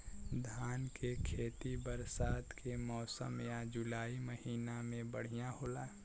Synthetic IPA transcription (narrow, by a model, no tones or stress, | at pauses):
d̪ʱaːnkʰekʰeːt̪ibəɾsaːt̪kʰemɔːsə̰mjad͡ʒʊlaːiməɦiːnamẽbəɽ̤ijãhoːlaː